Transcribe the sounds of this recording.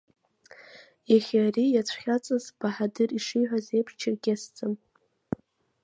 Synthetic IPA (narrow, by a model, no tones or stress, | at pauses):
jaχʲarijat͡sʷʰχʲat͡sʼɨzb̥aħadɨriʂijħᶣʷazejpʰt͡ʃʰɪrɡʲasd͡zʼɨm